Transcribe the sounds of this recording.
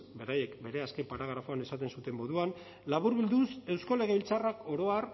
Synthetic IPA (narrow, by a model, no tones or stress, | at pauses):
be̞ɾaje̞kbe̞ɾe̞askempaɾaɣ̞ɾafo̞ane̞sat̪e̞nsut̪e̞mo̞ðuan | laβuɾβild̪use̞wsko̞le̞ɣ̞e̞βilt͡sarako̞ɾo̞ar